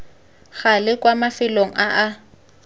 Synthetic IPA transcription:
ɣalɪkʼwamafɪloŋ̩ʔaʔa

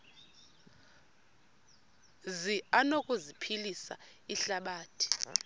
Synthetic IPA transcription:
zianokʼuzipʰilisa̰ | iɬaɓaːtʰi̥

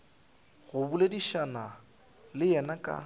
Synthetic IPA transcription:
ɣʊbulediʃana | lɪɛnakʼa̰

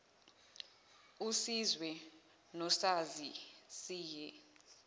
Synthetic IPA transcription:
usizwɛ | nɔsazisiːjɛ

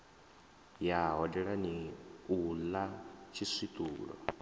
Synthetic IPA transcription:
jaɦɔdɛɺaniulat͡ʃʰisit̪ʼuːɺɔ̰

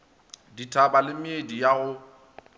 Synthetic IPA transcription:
ditʼʰabalɪmɪedijaɣʊ

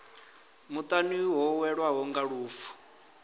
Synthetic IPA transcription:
mut̪ʼaniɦɔwɛɺwaɦɔŋɡaɺuːfu̥

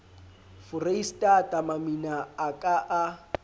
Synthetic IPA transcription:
fʊreistʼatʼamaminaːkʼaʔa

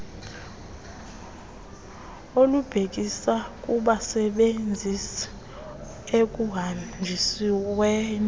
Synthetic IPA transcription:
olub̥ʱek̬isak̬ʼuɓasɛɓend͡zʱisɛ̥ | ek̬ʼuɦad͡ʒʱisiwɛːn

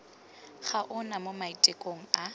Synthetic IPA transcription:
χaʔʊnamomaitʼekʼoŋ̩a

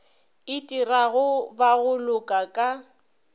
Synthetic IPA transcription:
ɪtʼiraɣʊbaɣʊlʊkʼakʼa

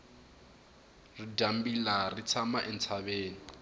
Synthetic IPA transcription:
ridambilarit͡sʰamaʔɛn̩t͡sʰaβeːni

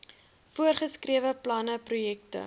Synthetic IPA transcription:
fuərχəskriəvəplɐnəprujɛk̚tə̰

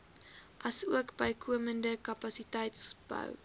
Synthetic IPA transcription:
ʔɐsuəkbəjkʰuəməndəkɐpɐsitəjtsb̥ə̰w

